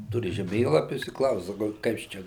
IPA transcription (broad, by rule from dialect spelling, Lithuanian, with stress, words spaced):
ˈtʊrʲɪ ʒʲɛˈmʲeːlˠɐpʲʊs ɪ ˈklˠɐʊs sɐˈkɐʊ ˈkɐs t͡ʃʲɛ